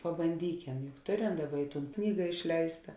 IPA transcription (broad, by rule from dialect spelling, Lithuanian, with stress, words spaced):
pɐbɐnʲˈdʲiːkʲɛm jʊk ˈtoːˌrʲɛm ˈdɑːˌbɐ ɪ ˈtuːn ˈknʲiːɡɐ ɪʃʲˈlʲɛɪstɐ